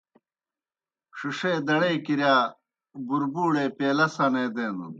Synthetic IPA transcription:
ʂuʂed̪ɐɽejkiɾjaː | buɾbuːɽeːpeːlɐsɐneːd̪eːnd̪ṵn

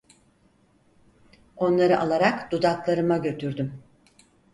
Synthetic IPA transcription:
o̞nlˠaɾɯʔalˠaɾakd̪̥ud̪aklˠaɾɯmaɟø̞t̪ʰyɾd̪ym

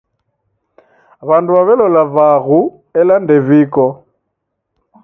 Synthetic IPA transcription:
βanduβaβɛlɔlavaːɣu | ɛlan̩deviːkɔ

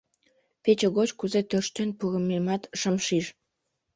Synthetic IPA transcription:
pet͡ɕeɣot͡ɕkuzet̪ørʃt̪enpuɣə̆memɑt̪ʃəmʃiʃ

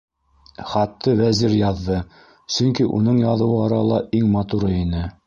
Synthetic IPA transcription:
χɑt̪ːɤwæziɾjɑðːɤ | sɵŋkiʔṵnɤɴjɑðɤ̆wɤɑɾɑlˠɑʔiŋmɑt̪uɾɤinɘ

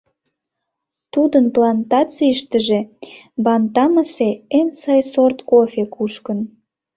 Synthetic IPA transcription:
t̪ud̪ənplɑnt̪ɑt͡siəʃt̪əʒe̽ | bɑnt̪ɑməseensɑjsort̪kofʲekʰuʃkən

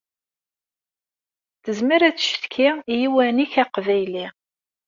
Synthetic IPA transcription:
θəzməɾæt͡sːʃθkʰɪjiwæniçæqvæjli

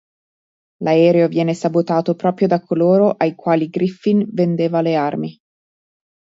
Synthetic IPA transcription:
laɛːɾeovjɛːnesabot̪aːt̪opɾɔːpɾjod̪akʰːoloːɾoʔajkwaːliɡɾifːinvend̪eːvalearmi

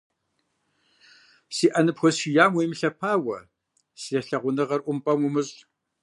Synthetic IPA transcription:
siːʔɐnɨpxʷɔsʃijaːmwejmɨɬɐpʰaːwɐ̰ | sijɐɬɐʁʷʊnɨʁɐrʔʷʊmpʼɐmʊmɨɕʼ

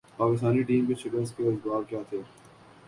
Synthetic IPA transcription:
paːkɪst̪aːniʈiːmkeʃɪkəɾskeɐzɡaːbkjaːt̪ʰeː

